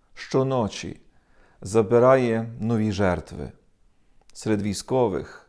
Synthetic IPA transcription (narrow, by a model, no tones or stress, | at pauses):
ʃt͡ʃɔnɔt͡ʃʲḭ | zɐbɪɾɑjɛnɔʋʲiʒɛɾt̪ʋɪ̰ | sɾɛd̪ʋʲijskɔʋɪ̰x